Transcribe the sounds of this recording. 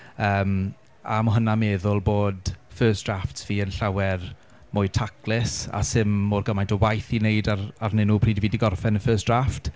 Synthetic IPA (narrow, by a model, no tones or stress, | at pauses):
əːm | a̰mʊɦənameːðʊlˠboːdfəːsd̥raftsv̥iːənɬawɛr | mʊjtʰakʰlɪsa̰sɪmːoːrɡəmajntʰɔwajθinejdararnɪnʊpʰriːdiviːdiɡɔrfɛnəfəːsd̥raft